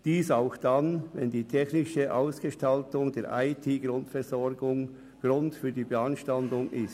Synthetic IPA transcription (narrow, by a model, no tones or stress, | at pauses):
d̥iːsaʊxd̥anvɛndiːtʰɛçnɪʃəʔaʊsɡ̥əʃtaltʊŋdeːɐʔaɪtʰiːɡrʊntfɛʁzɔʁɡʊŋ | ɡ̥ɾʊntfyːɐdiːbəɑnʃtandʊŋʔɪst